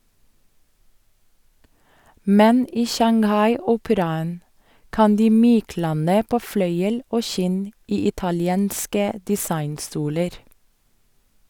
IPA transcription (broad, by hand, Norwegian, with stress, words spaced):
ˈmɛn ˈiː ʃɑŋˈhɑɪˌuːpəɾɑən ˈkɑn ˈdiː ˈmyːˌklɑnə ˈpoː ˈflœʏəl ˈoː ˈʃɪn ˈiː ɪtɑlɪˈeːnskə dɪˈsɑɪnˌstuːləɾ